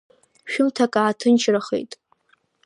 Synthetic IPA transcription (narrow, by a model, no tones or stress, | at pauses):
ʃᶣʊmtʰakʼaːtʰɨnt͡ʃʰraχḛjtʼ